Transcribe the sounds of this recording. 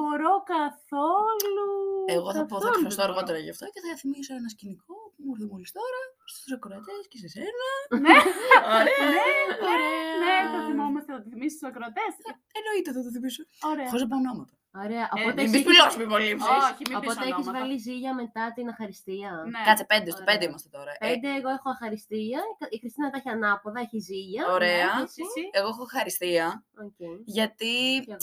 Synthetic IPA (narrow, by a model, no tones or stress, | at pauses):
boɾo̞kɐθolueɣoθɐpoɐɾɐsst̪oɐɾɣo̞t̪eɾɐʝɐ̰ft̪o̞ceθɐθimisoenɐsciniko̞pumoɾθimolist̪o̞ɾɐstt̪usɐkɾoɐt̪escesesenɐneoɾeneɾeneθɐθimomɐst̪eot̪iθimist̪usɐkɾoɐt̪esɐ | eno̞it̪eðɐt̪oθimisooɾeɐfozðɐp̬ɐnnomɐt̪ɐ | oɾe̞ɐʔopo̞t̪eeipiosumivolimoopo̞t̪eeçizvɐliziʝɐme̞t̪ɐt̪inɐxɐɾist̪iɐnkɐt͡sipend̪est̪opend̪eimɐst̪et̪o̞ɾɐpend̪eːɣo̞e̞xoɐxɐɾist̪iɐixɾist̪inɐt̪ɐeçiɐnɐpoðɐeçiziʝɐoɾeɐseɣoexoːxɐɾist̪iɐoceiʝɐt̪i